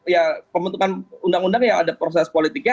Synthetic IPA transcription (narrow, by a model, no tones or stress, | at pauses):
japəmbənt̪ukanundaŋundaŋjaŋadapɾosɛspolit̪ik̚ɲa